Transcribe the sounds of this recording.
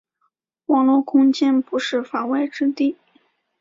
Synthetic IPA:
wɑ˨˩ŋlwɔ˥˧kʰʊ˥ŋt͡ɕjɛ˥npu˧˥ʂɻ̩˥˩fa˨˩we˥˩ɪʈ͡ʂɻ̩˥t̪i˥˩

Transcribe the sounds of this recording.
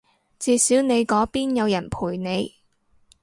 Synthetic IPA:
t͡siː˧siː˨˥wne˨˧jkɔː˨˥piː˥njɐ˨˧wjɐ˨˩npʰuː˨˩jne˨˧j

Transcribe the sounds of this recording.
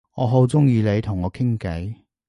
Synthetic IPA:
ŋɔː˨˧ɦo˨˥wt͡sʊ˥ŋjiː˧le˨˧jt̪ʰʊ˨˩ŋɔː˨˧kʰɪ˥ŋkɐ˨˥j

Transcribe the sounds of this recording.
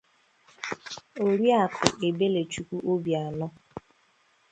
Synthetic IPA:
o˨ɾi˦a˨kʊ˨ʔe˨be˦le˨t͡ʃu˨kʷu˦ʔo˦bja˨nʊ˦

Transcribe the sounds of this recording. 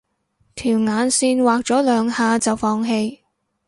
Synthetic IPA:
t̪ʰiː˨˩wŋaː˨˧nsiː˧nwaː˨k̚t͡sɔː˨˥lœː˨˧ŋhaː˨˧t͡sɐ˨wfɔː˧ŋɦe˧j

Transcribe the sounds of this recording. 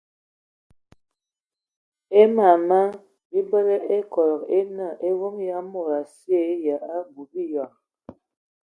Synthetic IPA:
e˦ma˨ma˦ | bi˦bə˦lə˦ʔe˦kɔ˨lɔ˨ke˦na˦˨ʔe˦wo˦ŋja˦mo˦˨ɾa˨sje˨˦ja˨a˦bu˨bi˦jɔ˨

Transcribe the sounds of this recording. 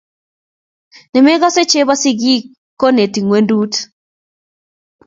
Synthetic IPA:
nɪ˨me˦ɡɔ˦se˦t͡ʃe˦ba˦sɪ˦ɡi˦kː | o˦ne˨ti˨ŋwe˦ndu˦t

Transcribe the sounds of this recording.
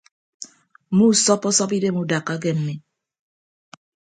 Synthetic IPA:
mu˦˨sɔ˦pɔ˦sɔ˦pi˦de˦mu˦da˨kːa˦ɡe˦m̩˨mi˨

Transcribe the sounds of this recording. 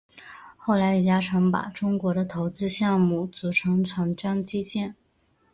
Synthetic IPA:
xo˥˩ʊla˧˥ɪi˨˩t͡ɕja˥ʈ͡ʂʰɤ˧˥ŋpa̰˨˩ʈ͡ʂʊ˥ŋkwɔ˧˥ɾə˧t̪ʰo˧˥ʊt͡sɹ̩˥ɕjɑ˥˧ŋmu˥˩t͡su˧˥ʈ͡ʂʰɤ˧˥ŋʈ͡ʂʰɑ˧˥ŋʈ͡ʂjɑ˥ŋt͡ɕi˥t͡ɕjɛ˥˩n

